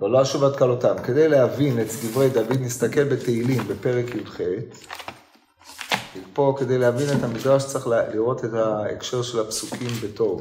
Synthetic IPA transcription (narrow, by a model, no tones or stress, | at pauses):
veloaʃuvat̪kalotamke̞d̪ejleavinet͡sd̪ivʁejd̪avid̪nist̪ake̞lbeteilimbe̞pe̞ʁekjudχet | ilpo̞ke̞de̞jlehavine̞thamid̪ʁaʃt͡saeχlliʁo̞te̞thaḛkʃe̞ʁʃe̞lhapsukʰimbe̞to̞v